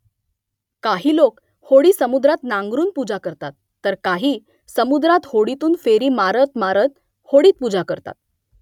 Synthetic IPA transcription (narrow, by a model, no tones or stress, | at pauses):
kaɦiːlok | hoɽiːsəmud̪ɾat̪naŋɡɾuːnpud͡zakəɾt̪at̪ːəɾkaɦiː | səmud̪ɾat̪hoɽit̪uːnfeɾiːmaɾət̪maɾət̪̚ | hoɽiːt̪̚pud͡zakəɾt̪a̰t̪̚